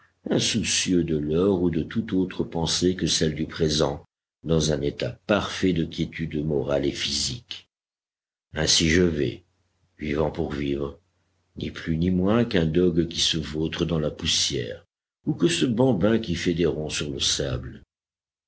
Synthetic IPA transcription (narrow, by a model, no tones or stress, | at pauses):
ɛ̃susjød̪əlœʁud̪ət̪ut̪ot̪χəpɑ̃sekəsɛld̪ypχezɑ̃ | d̪ɑ̃zɛ̃net̪apaʁfɛd̪əkʲjet̪yd̪mɔʁalefizik | ɛ̃siʒəvɛ̰ | vivɑ̃puʁvivʁə | nḭplynimwɛ̃kɛ̃d̪ɔɡkʲisəvot̪χəd̪ɑ̃lapusjɛ̰ʁ | ukəsəbɑ̃bɛ̃kʲifɛd̪eʁɔ̃syʁləsabl